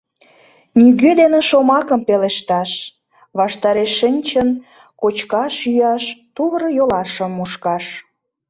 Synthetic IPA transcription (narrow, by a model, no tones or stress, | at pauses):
nyɣød̪eneʃomɑkəmpeleʃt̪ɑʃ | βɑʃt̪ɑɾeʃːənʲt͡ɕən | kot͡ɕkɑʃyjɑʃt̪uβəɾəjolɑʃə̆mːuʃkɑʃ